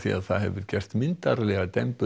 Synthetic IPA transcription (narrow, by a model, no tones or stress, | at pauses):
θia̰ðθaðhɛvʏɾ̥cɛr̥st̪mɪntt̪aɾlɛɣat̪ɛmpʏ